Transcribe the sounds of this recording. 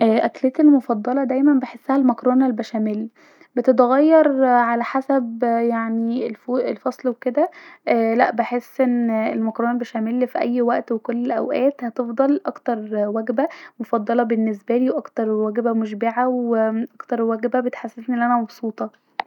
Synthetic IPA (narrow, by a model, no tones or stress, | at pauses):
ʔæːʔækleːt̪elmofɑd̪ˤːɑlɑd̪æjmænbeħesːæhælmækɾoːnelbæʃæmelː | bet̪et̪ɣɑjːɑɾˤʕalæħasæbjaʕnielfoːʔelfɑsˤlweked̪ælæʔbeħesːʔenːelmækɾoːnælbæʃæmelːfiʔæ̰jːwæʔt̪wekolːelʔæ̰wʔæːt̪hæt̪efd̪ˤɑlʔɑkt̪ɑɾˤwæɡbæmofɑd̪ˤːɑlɑbenːesbæliːwʔɑkt̪ɑɾˤwæɡbæmoʃbeʕaweʔɑkt̪ɑɾˤwæɡbæbet̪ħasːet̪niʔlʔænæmɑbsˤuːt̪ˤɑ